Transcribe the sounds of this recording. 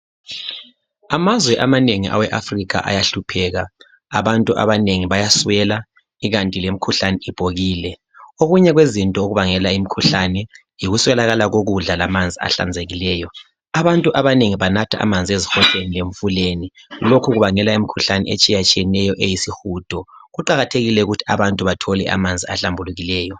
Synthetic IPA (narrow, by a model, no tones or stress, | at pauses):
amazwɛʔamaneŋḭʔa̰wɛʔafriɣa̰ʔa̰jaɬupʰɛːɣa | aβantʼuʔa̰βaneŋiβajaswɛla | iɣantʼilem̩ikʰuɬanɛib̥ʱoɣiːlɛ | oɣuɲɛɣwezintʼɔoɣuβaŋɛlaimikʰuɬanɛ | jiɣuswɛlaɣalaɣoɣuɮalamand͡zʱia̰ɬa̰nd͡zʱeɣilɛːjɔ | aβantʼuʔaβaneŋiβanatʰa̰ʔa̰mand͡zʱiezixɔɬenileɱfuleni | lokʰuɣuβaŋɛlaimikʰuɬanɛ̰et͡ʃʼijat͡ʃʼiɛnɛjɔʔejisixuːd̥ʱɔɣuǃaɣatʰeɣilɛuɣutʰi̥a̰βantʼuβatʰɔlɛ̰ʔa̰mand͡zʱia̰ɬambʱuluɣilɛːjɔ